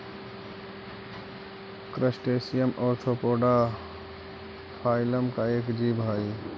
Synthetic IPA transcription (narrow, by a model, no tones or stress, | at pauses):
kɾəsʈesijəmʔɔːɾʈʰopoɖa | pʰaɪləmkaekd͡ʒibɦəj